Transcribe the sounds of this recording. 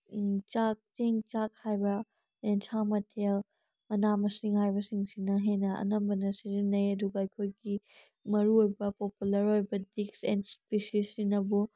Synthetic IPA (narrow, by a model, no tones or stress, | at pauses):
t͡ʃak̚tiŋt͡ʃak̚hajbɐ | ensʰamɐtʰel | mɐnamɐsiŋɦajbɐsiŋsinɐɦenɐɐ̰nɐmbɐnɐsizinɐjɐduɡɐɐjkʰojɡi | mɐɾuojbɐpopulɐɾojbɐdiksḛnspesisinɐbu